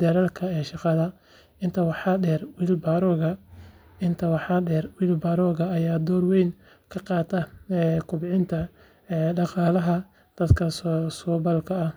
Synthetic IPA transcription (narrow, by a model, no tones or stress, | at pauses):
d̪ɐɾɐlkʰɐɛːʃɑqɑðɐ | ɪnt̪ʰɐwɑħɑɖɛːrwiːlbaːɾɔːɣɐ | ɪnt̪ʰɐwɑħɑɖɛːrwiːlbaːɾɔːɣɐːjaːd̪ɔːrwɛjn | kʰɐqɑːt̪ʰɐɛkʰʊbʕɪnt̪ʰɐ | ɛːɖɑqɑːlɐɦɐ | d̪̥ɐd̪kʰɐssɔːbɐlkʰɐɐ